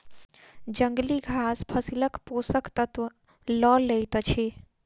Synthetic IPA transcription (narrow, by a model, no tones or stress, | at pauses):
d͡ʒəŋɡliɡʱaspʰəsiləkposəkt̪ət̪ | ləlejt̪t͡ʃʰe